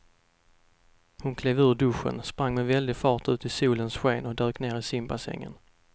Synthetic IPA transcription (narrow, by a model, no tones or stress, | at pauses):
hʊnkʰleːvʉ̟ːɖɵɧə̰nspɾaŋːmɛvɛld̪ɪfɑːʈʉ̟ːt̪ɪsuːlənsɧeːnɔd̪øːkneːɾɪsɪmbasɛ̰ŋːə̰n